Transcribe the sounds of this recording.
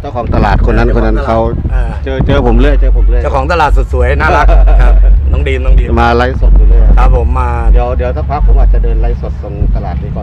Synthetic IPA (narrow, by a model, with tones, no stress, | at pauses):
t͡ɕa˧˩wkʰɔː˩˦ŋt̪a˧laː˨˩t̪̚kʰo˧nːa˦˥nkʰo˧nːa˦˧˥nkʰa˦˥wa˧t͡ɕɤː˧t͡ɕɤː˧pʰo˩˦mlɯ˧˥˩ə˨jt͡ɕɤː˧pʰo˩˦mlːt͡ɕa˥˩wkʰɔː˩˦ŋt̪a˧laː˨˩t̪̚su˨˩t̪̚su˨˩˦əjnaː˦˥la˦˥kkʰa˦˥p̚nɔː˧˥˩ŋdiː˧mnɔː˧˦ŋdiː˧˩maː˧la˦˥˩jso˨˩t̪̚juː˨˩ləː˧˥˩jkʰa˦˥˩p̚ʰːo˩˦mːaː˧di˨˩˦əwdi˨˩˦əwt̪ʰa˧˥˩wpʰaː˦˥pʰːo˨˦ʔaː˨t̪̚t͡ɕa˨˩dɤː˧nla˦˥jso˨˩t̪̚so˧nt̪a˧laː˨˩t̪̚li˧˩kʰɔː˧˩